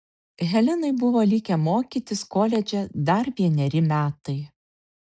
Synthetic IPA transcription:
ɣʲɛlʲɪnɐɪbʊʋoːlʲiːkʲɛmoːkʲiːt̪ʲɪskoːlʲɛd͡ʒʲɛd̪ɐɾʋʲiɛnʲɛɾʲɪmʲæːt̪ɐɪ

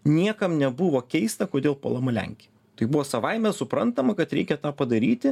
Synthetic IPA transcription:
nʲiɛkɐmnʲɛbʊʋoːkʲɛɪst̪ɐkoːd̪ʲeːlˠpo̰lˠɐmɐlʲæ̰ŋʲkʲe | t̪ɐɪbʊʋoːsɐʋɐɪmʲɛsʊpɾɐnt̪ɐmɐkɐt̪ɾʲɛɪkʲɛt̪ɑːpɐd̪ɐɾʲiːt̪ʲɪ

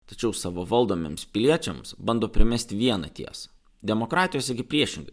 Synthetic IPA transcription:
t̪ɐt͡ʃʲɛʊsɑːʋoʋɐlˠd̪oːmʲḛmspʲɪlʲiɛt͡ʃʲɛmsbɐnd̪oːpʲɾʲɪmʲɛsʲt̪ʲɪʋʲiɛnɐ̰t̪ʲiɛsɐ̥ | d̪ʲɛmokɾɑːt̪ʲɪjoːsʲɪɡʲɪpʲɾʲiɛʃʲɪŋɡɐ

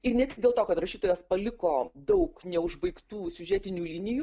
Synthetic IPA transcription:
ɪrnʲɛt̪ʲɪkdʲeːlˠt̪oːkɐt̪rɐʃʲiːt̪oːjɛspɐlʲɪkoːd̪ɐʊknʲɛʊʒbɐɪkt̪uːsʲʊʒʲɛːt̪ʲɪnʲuːlʲɪnʲɪjuː

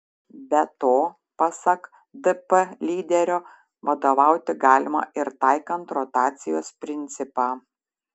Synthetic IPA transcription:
bʲɛt̪oː | pɐsɐk | d̪ɛpəlʲiːd̪ʲɛɾʲoː | ʋɐd̪oːʋɑˑʊt̪ʲɪɡɑːlʲɪmɐ̰ːʔɪɾt̪ɑɪkɐnt̪ɾɔt̪ɑːt̪sʲɪjo̰ːspʲɾʲɪnʲt̪sʲɪpɑː

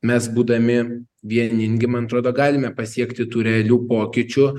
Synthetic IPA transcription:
mʲɛsbuːd̪ɐmʲɪ | ʋʲiɛnʲɪŋʲɡʲɪmɐnɐt̪ɾoːd̪oːɡɑːlʲɪmʲɛpɐsʲiɛkt̪ʲɪt̪uːɾʲɛɐlʲuːpoːkʲɪt͡ʃʲʊ

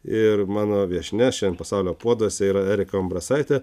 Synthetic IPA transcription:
ɪɾmɑːnoːʋʲiɛʃʲnʲɛʃʲɛnpɐsɑʊlʲoːpuɔd̪uɔsʲɛiːɾɐæːɾʲɪkɐɐmbɾɐsɐɪt̪ʲɛ

